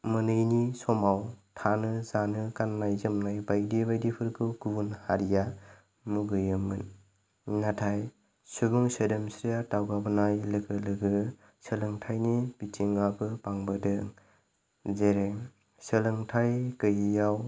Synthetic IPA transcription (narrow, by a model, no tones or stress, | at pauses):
mɯnɯjnisɔmawtʰanɯzanɯkannajzɯmnajbajdibajdipʰɯɾkʰɯkubunhaɾija | muɡɯjɯmɯn | natʰaj | subuŋsedemsɾijatawɡabɯnajlɯɡɯlɯɡɯ | sɯlɯŋtʰajnib̥itʰiŋabɯpaŋbɯdɯŋ | zeɾeŋ | sɯlɯŋtʰajkɯjjaw